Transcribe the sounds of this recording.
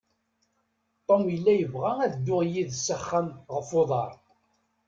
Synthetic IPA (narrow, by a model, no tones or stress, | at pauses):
t̪ˤːomjəlːæjəvʁææðd̪ːʊʁjiðsəχːæmʁəfoðˤɑɾˤ